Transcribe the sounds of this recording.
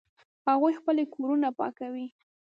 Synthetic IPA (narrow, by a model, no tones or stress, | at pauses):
haɣujxpəlekoɾunapɑ̰kawi